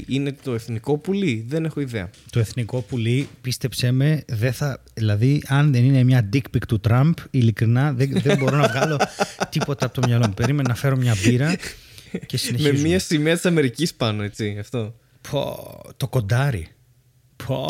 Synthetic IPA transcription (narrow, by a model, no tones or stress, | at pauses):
ʔine̞t̪o̞e̞θniko̞puliðene̞xo̞iðeɐ̰t̪o̞e̞θniko̞pulipist̪e̞pse̞me̞ðe̞θɐðilɐðiɐnðenine̞mɲɐd̪ikpikt̪ut̪ɾɐmbilikɾinɐðeðebo̞ɾo̞nɐvɣɐlo̞t̪ipo̞t̪ɐpot̪omɲɐlo̞mupe̞ɾime̞nonɐfe̞ɾo̞mɲɐviɾɐ | ce̞sineçmeizmmiɐsimiɐt̪i̥sɐme̞ɾicispɐno̞e̞t͡siɐft̪o̞ | po̰t̪o̞ko̞nd̪ɐɾḭ | pʰo̰